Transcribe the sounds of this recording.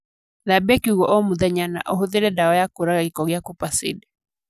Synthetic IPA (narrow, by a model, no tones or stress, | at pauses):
ðabɛkiuɣɔʔɔmuðɛɲana̰ʔɔɦoðeɾɛdaɔjakoɾaɣaɣikɔɣeakupasḭdɛ